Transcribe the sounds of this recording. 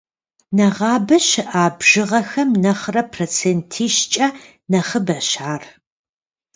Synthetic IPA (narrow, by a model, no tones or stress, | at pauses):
nɐʁɑːbɐɕɪʔaːbʒ̥ɨʁɐxɐmnɐχrɐpʰroːt͡sʰeːntʰiːʃt͡ʃʼɐ | nɐχəbɐɕaːr